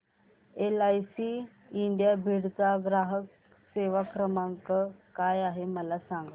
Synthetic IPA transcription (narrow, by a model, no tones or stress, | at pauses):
elajsi | iɳɖjabʱiɽt͡saɡɾaɦək | seʋakɾəmaŋkəkajaɦeməlasãŋɡ